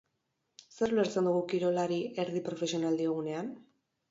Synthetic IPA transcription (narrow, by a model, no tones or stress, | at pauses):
seɾuleɾt͡send̪uɣ̞ukiɾo̞laɾiʔe̞ɾðipɾo̞fe̞sio̞nald̪ie̞ɣune̞an